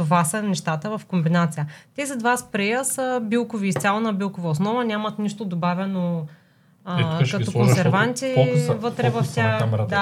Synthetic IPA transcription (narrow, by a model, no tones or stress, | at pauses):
ovasənɛʃt̪at̪əvɐfkombinat̪sijət̪ʲɛzɐd̪vaspɾɛjəsəbilˠkoviːst̪sʲjalˠnəbilˠkovɐosnɔvɐnʲamɐt̪niʃt̪od̪obavʲɛno | kɐɔkonsɛɾvant̪ʲivət̪ɾɛvɐft̪ʲad̪a